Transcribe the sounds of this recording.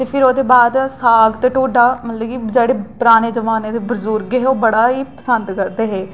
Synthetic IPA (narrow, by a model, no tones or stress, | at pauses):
t̪eːpʰɪɾoːd̪eːbaːd̪saːɡt̪ʈoːɖaːmət̪ləkid͡ʒeːɽeːpɾaːneːd͡ʒəʋaːned̪ebəzuːɾɡeɦoːbəɽaːɦiːpəsənd̪kəɾd̪eːɦeː